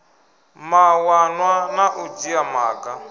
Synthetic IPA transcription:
mawanwanaʔud͡ʒiamaːka

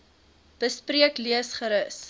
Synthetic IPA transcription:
b̥əspriəkliəsχəɾəs

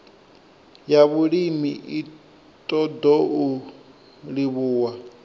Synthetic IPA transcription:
jaβuɺimiʔi | tʼɔdɔʔu | ɺiβuːwa

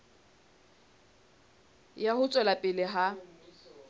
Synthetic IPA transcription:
jahʊt͡sʼwɛlapʼɪlɪɦa

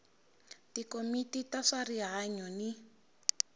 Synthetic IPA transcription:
tikomititaʂariɦaɲɔni

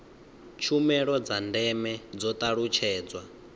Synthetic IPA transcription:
t͡ʃʰumɛɺɔd͡zandɛmɛd͡zɔt̪ʼaɺut͡ʃʰɛːd͡zwa

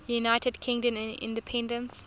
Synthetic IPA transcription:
junaɪtədkʰɪ̃ŋdə̃nɪ̰̃ndəpʰɛ̃ndə̃ns

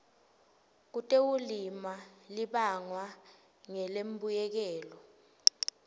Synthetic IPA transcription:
k̬utʼewulimaliɓaŋwa | ŋɛlembujɛk̬ɛːlɔ

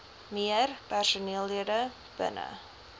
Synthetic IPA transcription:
miərpærsuniəlˠːiədə | b̥ə̰nə̰

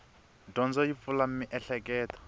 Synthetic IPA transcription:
dɔnd͡zɔipfulam̩mɪʔɛɬɛkʼɛːtɔ̥

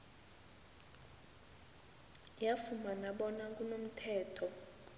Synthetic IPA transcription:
jafumanaɓɔnak̬ʼunom̩tʰɛːtʰɔ

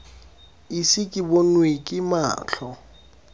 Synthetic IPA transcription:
isɪkʼɪbonwekʼɪma̰ːɬʰɔ

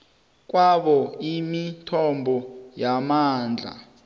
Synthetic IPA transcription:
k̬waɓɔimitʰɔmbʱɔjamaːnd͡ɮʱa̰

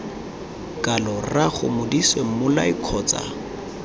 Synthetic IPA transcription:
kʼalɔraχʊ̰mʊdiswemʊlaikʰɔːt͡sʼa̰

